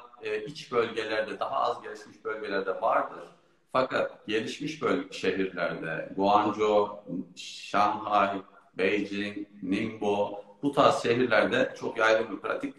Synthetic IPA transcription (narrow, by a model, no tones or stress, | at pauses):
it͡ʃbø̞lʲɟe̞lʲæɾd̪ɛd̪aɦaa̰zɟe̞lʲiʃmiʃbølʲɟelʲæɾd̪ɛvaɾd̪ɯɾ̥ | fakʰat̪̚ɟe̞lʲiʃmiʃbølʲʃeɦiɾlʲæɾd̪ɛ̰ɡoand͡ʒo | ʃanhaj | bejd͡ʒiŋnimbob̥ut̪ʰasʃe̞ɦiɾlʲæɾd̪ɛt͡ʃʰo̞kjajɡ̪ɯmbipʰɾa̰t̪ʰic̚